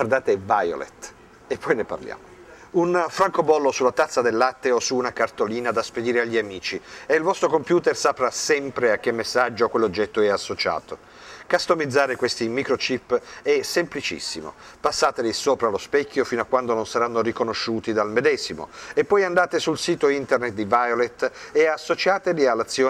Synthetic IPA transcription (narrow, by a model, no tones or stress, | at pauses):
ward̪aːt̪evajo̰lḛt̪ | epːɔjnepa̰rlja̰ːmo | unfɾaŋkobɔlːosulːat̪at̪sːad̪elːat̪ːeosuːnakart̪oliːnad̪asped̪iːɾeaʎːiamiːt͡ʃieilvɔst̪ɾokompjuːt̪ersapɾasɛmpɾeak̟ːemːesːad͡ʒːokwelːod͡ʒːɛt̪ːoɛasːot͡ʃa̰ːt̪o | kast̪omid̪zːaːɾekwest̪imikɾot͡ʃipːɛsemplit͡ʃḭsːḭmo̰ | pasːaːt̪elisoːpɾalospɛkʰʲːjofinoakːwand̪ononsaɾanːorikonoʃːuːt̪id̪almed̪ɛːzimo̰epːɔjand̪aːt̪esulsiːt̪oint̪ernet̪̚d̪ivajolet̪ːeasːot͡ʃaːt̪elialːat̪sːjoː